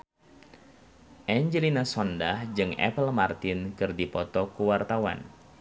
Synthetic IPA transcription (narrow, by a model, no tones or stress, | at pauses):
ʔɛɲd͡ʒɛlinasɔndahd͡ʒɨŋɛ̰pəlmart̪ɪnkɨrdipɔt̪ɔkuwart̪awa̰n